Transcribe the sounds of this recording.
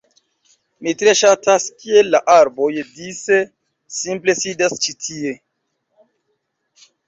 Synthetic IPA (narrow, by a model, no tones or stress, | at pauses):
mitɾe̞ʃataskielːaʔaɾbo̞jdise̞ | simple̞sidast͡ʃitʰie̞